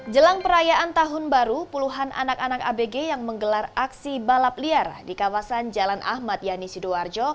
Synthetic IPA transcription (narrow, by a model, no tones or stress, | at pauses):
d͡ʒəlaŋpəɾajaʔant̪aɦʊnbaɾupuluɦanʔa̰nakanaka̰beɡejaŋməŋɡəlaraksibalap̚liardikawasand͡ʒalanʔa̰hmat̪̚janisidoard͡ʒɔ